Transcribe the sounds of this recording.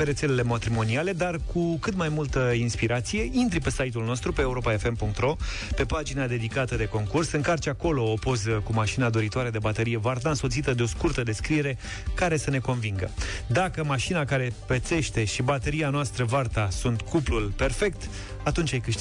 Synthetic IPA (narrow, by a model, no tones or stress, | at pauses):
peɾet̪se̞le̞le̞mat̪ɾimo̞niale̞d̪arkʰukɨt̪majmult̪əinspiɾat̪sije̞int̪ɾipe̞sajt̪̬ulno̞st̪ɾupe̞ːuɾo̞pae̞fe̞mpuŋk̚t̪ɾo̞ | pe̞pad͡ʒinad̪e̞d̪ikat̪əd̪e̞ko̞ŋkursɨŋkart͡ʃako̞lo̞ːpo̞zəkumaʃinad̪oɾit̪oaɾe̞d̪e̞bat̪eɾije̞vart̪aɨnso̞t̪sit̪əd̪eo̞skurt̪əd̪e̞skɾie̞ɾe̞ | kaɾe̞səne̞ko̞nviŋɡə̰d̪akəmaʃinakaɾe̞pet̪se̞ʃt̪e̞ʃibat̪eɾianoast̪ɾəvart̪asunt̪kuplulpe̞rfe̞k̚t̪ | at̪unt͡ʃʲajkɨʃt̪